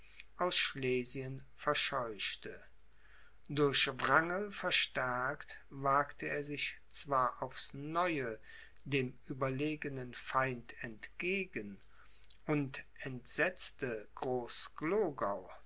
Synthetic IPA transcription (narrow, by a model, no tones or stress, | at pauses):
ʔaʊsʃleːziənfɛɐʃɔʏʃtə | dʊɐçvʁaŋəlfɛɐʃtɛɐkt | vaːɐktəeːɐzɪç | t͡sv̥aːɐʔaʊfsnɔʏə | deːmʔyːbɐleːɡənənfaɪntʰɛntɡ̥eːɡən | ʔʊntɛntz̥ɛt͡stəɡ̥ʁoːsɡ̥loːɡaʊ